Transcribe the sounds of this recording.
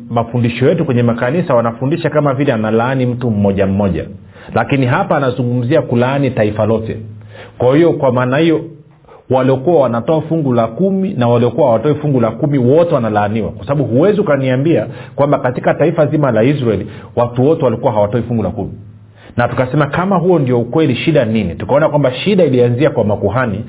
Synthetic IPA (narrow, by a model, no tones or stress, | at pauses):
mafundiʃɔjɛtukwɛɲɛmakanisawanafundiʃakamavilɛanalaːnim̩tum̩ːɔʄam̩mɔʄa̰ | lakiniɦapaːnazuŋɡum̩ziakulaanitaifalɔtɛ̰kwahijɔkwamaːnahijɔ | waliɔkuwawanatɔafuŋɡulakuminawaliɔkuwahawatɔifuŋɡulakumiwɔtɛwanalaːniwa̰kwasaɓaɓuhuwɛziukaniambiakwambakatikataifazimalaizɾaɛliwatuwɔtɛwalikuwaɦawatɔifuŋɡulakumi | natukasɛmakamaɦuɔndiɔukwɛliʃiɗaninitukaɔnakwambaʃiɗailianziakwamakuɦani